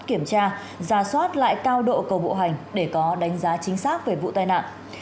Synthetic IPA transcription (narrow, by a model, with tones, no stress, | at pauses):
ki˧˩əmt͡ɕaː˧ | zaː˧˩swaː˦˥t̚la̰ː˧˨jkaː˧wɗo̰˧˨kə˨˩wɓo̰˧˨ɦa˨˩jŋ̟ɗe˧˩kɔ˨˦ɗa˨˦ŋ̟zaː˨˦t͡ɕï˨˦ŋ̟saː˦˥k̚ve˨˩vṵ˧˨t̪aː˧jna̰ː˧˨nʔ